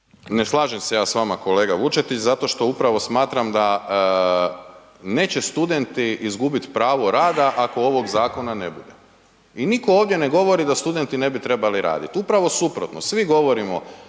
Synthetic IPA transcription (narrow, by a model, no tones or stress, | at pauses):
neslˠaːʒemsejaːsʋamako̞le̞ːɡaʋut͡ʃet̪it͡ɕzat̪o̞ʃt̪o̞upɾaʋo̞smaːt̪ɾamd̪a | ne̞ːt͡ɕe̞st̪ud̪e̞nt̪iʔizɡubit̪pɾaːʋo̞ɾaːd̪aʔako̞o̞ʋo̞ɡzaːko̞nanebud̪e | iniko̞oːʋd̪je̞neɡo̞ʋo̞ɾid̪ast̪ud̪e̞nt̪ine̞bit̪ɾe̞baliɾa̰ːd̪it̪upɾaʋo̞supɾot̪nosʋiɡo̞ʋo̞ɾimo̞